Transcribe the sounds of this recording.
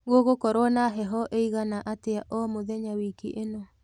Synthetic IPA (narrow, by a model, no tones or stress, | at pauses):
ɣoɣokɔɾwɔnaɦɛɦɔʔeiɣanaʔateaʔɔmoðɛɲawikiʔenɔ